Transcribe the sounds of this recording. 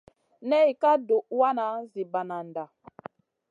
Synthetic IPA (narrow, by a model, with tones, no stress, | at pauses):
nɛ˦i˨ka˦do˨ʔwa˦na˨˦zi˨ba˨na˨nda˨